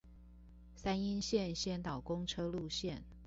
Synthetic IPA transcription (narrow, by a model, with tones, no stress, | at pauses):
sa˥ni˥nɕjɛ˥˨nɕjɛ˥˩nt̪ɑ˨˩ʊkʊ˥ŋʈ͡ʂʰɤ˥lu˥˧ɕjɛ˥˨n